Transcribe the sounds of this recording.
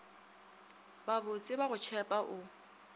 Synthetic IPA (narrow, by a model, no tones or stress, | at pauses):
babʊt͡sʼɪbaɣʊt͡ʃʰɛpʼaʔʊ